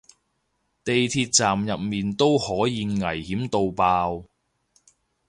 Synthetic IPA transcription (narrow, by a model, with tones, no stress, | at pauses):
t̪e˨jt̪ʰiː˧t̚t͡saː˨mjɐ˨p̚miː˨˩nt̪o˥whɔː˨˥jiː˨˧ŋɐ˨˩jhiː˨˥mt̪o˨˧wpaː˧w